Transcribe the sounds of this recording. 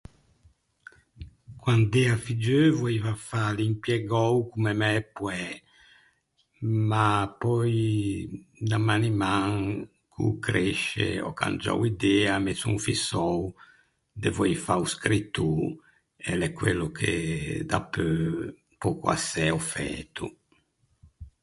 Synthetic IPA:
kwand̪ɛafid͡ʒøvɔivafalimpjɛɡɔwkumemɛpwɛ | mapɔj | d̪amanimaŋ | kʰṵkɾeʃḛɔ̰ka̰nd͡ʒɔ̰wid̪ɛamesṵ̃ɱfisɔw | d̪evɔjfauskɾit̪ːu | ɛlɛkːwelːukʰḛd̪a̰pø | pɔkua̰sɛɔfɛ̰t̪u

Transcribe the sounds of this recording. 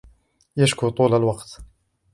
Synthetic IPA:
jaʃkʊt̪ˤuːlalwɑqt̪

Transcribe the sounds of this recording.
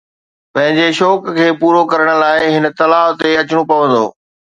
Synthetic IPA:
pɐ̃ɦɪ̃ɲd͡ʑeʃɔːkkʰeːpuːɾokɐɾəɽ̃ə̆laːɪɦɪnə̆t̪ɐlaːɦt̪eɐt͡ɕɪɽ̃opɐʋə̃nd̪o̰ː

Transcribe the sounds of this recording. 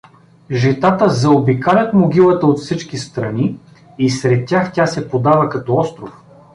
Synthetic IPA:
ʒɛt̪at̪əzɐobikalʲɐt̪moɡʲilˠɐt̪əot̪fsit͡ʃkist̪ɾɐniː | sɾɛt̪̚ːʲaxtʲasɛpod̪avɐkɐt̪ɔɔst̪ɾof

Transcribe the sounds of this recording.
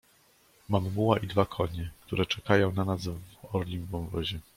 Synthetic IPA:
mammuwaʔid̪vakʰɔɲɛkt̪uɾɛt͡ʂɛkajɔ̃w̃nanasvvɔɾlʲimbɔ̃mvɔʑɛ

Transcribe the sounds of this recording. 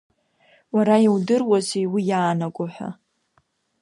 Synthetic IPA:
waɾajiwdɨrwazejwijaːnaɡʷʼʊħʷa̰

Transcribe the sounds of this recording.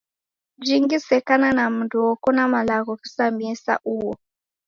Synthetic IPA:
d͡ʒiŋɡisɛkananam̩nduɔkɔnamalaɣɔkisamiisa̰ʔuwɔ

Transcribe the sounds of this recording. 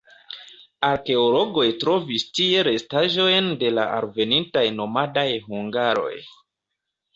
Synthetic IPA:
aɾke̞olo̞ɡo̞jtɾo̞vistie̞ɾe̞staʒo̞jnde̞la̰a̰ɾve̞nintajno̞madajhuŋɡaɾo̞̰j

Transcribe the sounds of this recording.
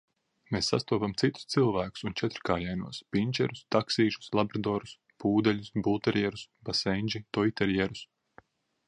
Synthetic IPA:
meːsːa̰st̪uɔpamt̪sit̪u̥st̪silˠvæːku̥sunt͡ʃɛt̪ɾkaːjɛjnuɔspʲinʲt͡ʃɛɾust̪aksiːʃu̥slˠabɾad̪ɔːɾus | puːd̪ɛlʲusbulˠt̪ɛɾjɛɾusbasɛnʲd͡ʒit̪ɔjt̪ɛɾjɛɾus

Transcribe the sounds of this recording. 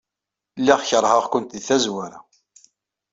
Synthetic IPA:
lːiʁçəɾˤhəʁkʷʊnt̪iθæzwaɾa̰

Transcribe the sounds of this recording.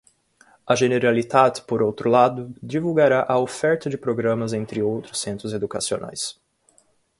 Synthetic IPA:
ɐʒeneɾalit̪ad̪poɾowt̪ɾʊlad̪ʊd͡ʒivuɡaɾaʔɐofɛɾt̪ɐd͡ʒɪpɾoɡɾɐ̃mɐzẽnt̪ɾɪowt̪ɾʊsːẽnt̪ɾʊzed̪ukasionʔa̰js

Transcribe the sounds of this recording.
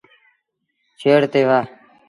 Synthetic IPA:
t͡ʃʰeːɽt̪eːʋaː

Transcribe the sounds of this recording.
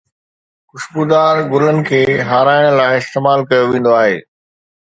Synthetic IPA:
kʊʃbuːd̪aːɾɡʊlənɪ̆kʰeːɦaːɾaːɪɽ̃laːɪɪst̪eːmaːlkɐjoʋẽːn̆d̪oaːɦḛː

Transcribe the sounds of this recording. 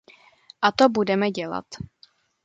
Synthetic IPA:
ʔat̪obudɛmɛɟɛla̰t̪

